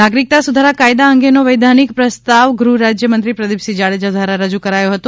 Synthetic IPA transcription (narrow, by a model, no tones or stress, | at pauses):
naɡɾik̚t̪asud̪ʱaɾakajd̪aəŋɡenoʋəjd̪ʱanikpɾəst̪aʋɡɾuɾad͡ʒjəmə̃nt̪ɾipɾəd̪ipsid͡ʒaɭed͡ʒad̪ʱʋaɾaɾəd͡ʒukəɾajoɦət̪o